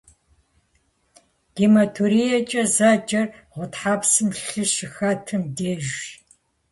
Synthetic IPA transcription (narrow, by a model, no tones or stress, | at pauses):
ɡ̥imɐtʰuɾijɐt͡ʃʼɐzaːd͡ʒʼɐrʁʷʊtħaːpsɨmɬɨʃɪxaːtʰɨmdeːʒ